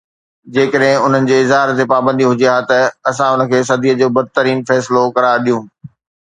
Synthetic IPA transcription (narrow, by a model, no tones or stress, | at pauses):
d͡ʑeːkəɗɦɪ̃ʊn̤ənɪ̆d͡ʑeːɪzɦaːɾt̪epaːbə̃nd̪iɦʊd͡ʑiaːt̪ɐɐsãʊnə̆kʰeːsɐd̪ʱiːəd͡ʑoːbɐd̪̚ʱt̪əɾiːnfɛːsɪlokɐɾaːɾɗijũː